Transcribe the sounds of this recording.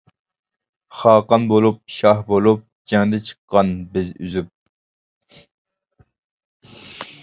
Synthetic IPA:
χɑːqɑnbolˠup̚ʃɑhbolˠup̚d͡ʒɛŋd̪ɛt͡ʃʰə̥qːɑnbɪzy̰zyp̚

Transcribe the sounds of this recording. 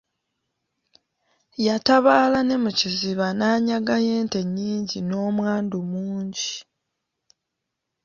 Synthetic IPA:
jataβaːlane̞muciziβanaːɲaɡaje̞ːnte̞ɲːiːɲɟino̞ːmwaːndumuːɲɟi

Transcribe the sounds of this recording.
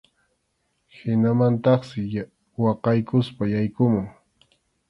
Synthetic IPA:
hɪnamant̪ɑχsɪ | wɑqɑjkʊspajajkʊmʊŋ

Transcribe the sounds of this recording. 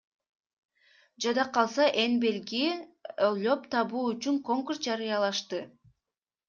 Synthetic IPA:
d͡ʒɑd̪ɑqɑlˠsɑʔenbe̞lɡiollʲo̞pt̪ʰɑβuːyt͡ʃyŋko̞ŋkursd͡ʒɑɾɯjɑlˠɑʃt̪ɯ

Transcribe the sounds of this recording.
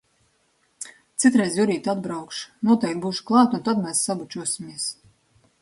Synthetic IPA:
t̪sit̪ɾɛjzjuɾiːt̪ad̪bɾawkʃnuɔt̪ɛjk̚t̪̚buːʃu̥klˠaːt̪unt̪ad̪mɛːsːabut͡ʃuɔsʲimʲiɛs

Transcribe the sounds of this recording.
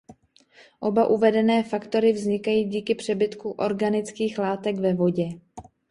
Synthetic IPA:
ʔo̞baʔuvɛdɛnɛːfakt̪o̞ɾɪvzɲɪkajiːɟiːkɪpr̥ɛbɪt̪kuʔo̞ɾɡanɪt͡skiːxlaːt̪ɛɡvɛvo̞ɟɛ

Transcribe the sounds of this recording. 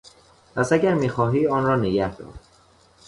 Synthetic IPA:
pʰæsæɟæɾmiːxɒːɦiːɒːnɾɒːneɟæhd̪ɒ̰ːɾd̪̥

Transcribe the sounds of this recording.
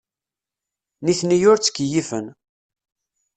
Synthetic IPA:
niθnijʊɾt͡sːə̥kːjifə̰n

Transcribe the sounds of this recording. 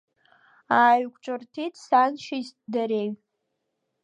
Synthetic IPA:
aːɥkʷʰʼʈ͡ʂʼɨrtʰitʰʼsanʃizdaɾeɥ

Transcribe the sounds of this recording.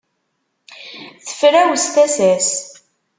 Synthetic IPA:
θə̥fɾæwst̪æsæs

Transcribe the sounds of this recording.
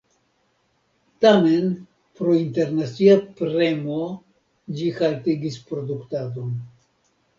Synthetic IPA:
tame̞n | pɾointeɾnat͡siapɾe̞mo | d͡ʒihaltiɡispɾo̞duktado̞n

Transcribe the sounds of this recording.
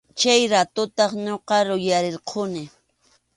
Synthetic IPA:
t͡ʃajɾat̪ʊt̪ɑχɲoqɑɾʊjaɾeɾqʰʊnɪ

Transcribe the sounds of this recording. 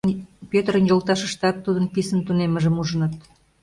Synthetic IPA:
npøt̪əɾə̆njolt̪ɑʃə̆ʃt̪ɑt̪ːud̪ənpisənt̪uneməʒəmuʒənət̪

